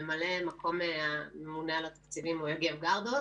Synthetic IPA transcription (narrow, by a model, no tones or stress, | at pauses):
emalemakʰo̞meamemunealat̪ḁkt͡silimojeɡevɡaʁd̪o